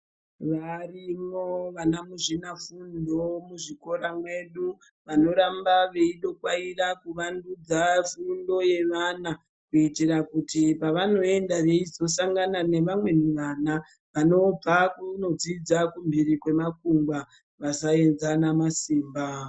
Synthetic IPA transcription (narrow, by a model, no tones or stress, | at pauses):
ʋarimoʋanamuʐinafundo̞muʐiko̞ɾamwe̞ɗu | ʋano̞ɾambaʋe̞iɗo̞kwairakuʋandud͡zafundo̞je̞ʋana | kuitirakutipaʋano̞e̞ndaʋe̞izo̞saŋɡanane̞ʋamwe̞niʋana | ʋano̞b͡vakuno̞d͡zid͡zakumbirikwe̞makuŋɡwa | ʋasae̞nzanamasiːmba